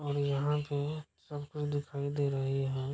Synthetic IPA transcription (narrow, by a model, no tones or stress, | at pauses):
ɔːɾjɐɦãpesɐbkʊt͡ʃʰd̪ɪkʰaːid̪eːɾɐɦiɦɛ̃ː